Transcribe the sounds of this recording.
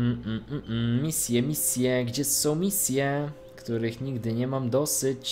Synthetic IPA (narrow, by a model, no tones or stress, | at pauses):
m̩m̩m̩m̩mʲisʲjɛmʲisʲjɛɡd͡ʑɛsɔ̃w̃mʲisʲjɛ | kt̪uɾɘxɲiɡd̪ɘɲɛmamd̪ɔsɘt͡ɕ